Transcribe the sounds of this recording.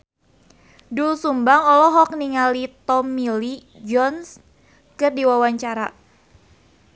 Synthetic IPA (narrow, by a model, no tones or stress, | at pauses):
dulsumbaŋɔlɔɦɔk̚niŋalit̪ɔmili | d͡ʒɔns | kɨrdiwawaɲt͡ʃaɾa